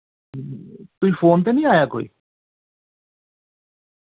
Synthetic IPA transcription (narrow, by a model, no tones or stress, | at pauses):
t̪ʊiːpʰoːnt̪̬eːnĩːaːjaːko̰ːḭː